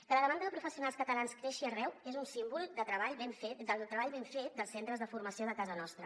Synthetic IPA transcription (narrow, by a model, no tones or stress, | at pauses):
kələðəmand̪əðəpɾufəsiunalˠskət̪əlanskɾeʃiərɛwezunsimbulˠd̪ət̪ɾəβaʎβeɱfed̪əlˠt̪ɾəβaʎβeɱfet̪̚d̪əlˠsent̪ɾəzðəfuɾməsioðəkazənɔst̪ɾə